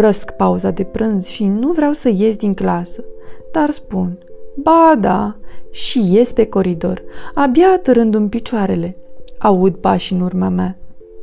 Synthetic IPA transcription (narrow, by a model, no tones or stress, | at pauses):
rəskpauzad̪e̞pɾɨnzʃinuvɾeawsəje̞zʲd̪iŋklasəd̪̥arspunbad̪aʃije̞sʲpe̞ko̞ɾid̪o̞̰rabjaːt̪əɾɨnd̪umpit͡ʃoaɾe̞le̞aud̪̚paʃɨnurmama